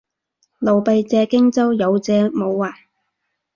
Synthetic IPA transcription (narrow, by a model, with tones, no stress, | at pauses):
lo˨wpe˨˧jt͡sɛː˧kɪ˥ŋt͡sɐ˥wjɐ˨˧wt͡sɛː˧mo˨˧wːaː˨˩j